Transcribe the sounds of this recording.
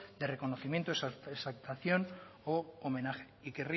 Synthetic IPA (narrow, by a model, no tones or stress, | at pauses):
d̪erekonoθimjent̪oesaesalt̪aθjonoomẽnaxe̥ikeri